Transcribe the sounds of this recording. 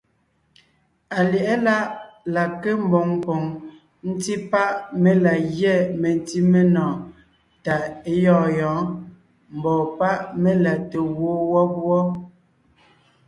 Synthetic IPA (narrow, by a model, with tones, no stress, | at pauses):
a˨ljɛ˨ʔɛ˦la˦ʔla˨ke˦m̩˦bo˨ŋ˨pɔ˨ŋ | n̩˦ti˦pa˦ʔme˦la˨ɣjɛ˦˨me˨n˦ti˦me˦nɔː˨ | ta˨e˦jɔː˦˨jɔ̃ː˨˦ | m̩˨bɔː˨pa˦ʔme˦la˨te˨woː˦wɔ˦pwɔ˦